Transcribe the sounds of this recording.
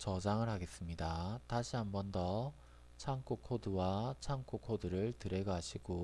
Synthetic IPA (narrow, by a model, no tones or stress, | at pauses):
t͡ɕʌd͡ʑaŋɯɭɦaɡe̞s͈ɯmɲidataɕʰiɦambʌndʌ | t͡ɕʰaŋk͈okʰodɯwat͡ɕʰaŋk͈ʰokʰodɯɾɯɭtɯɾe̞ɡaɕʰiɡo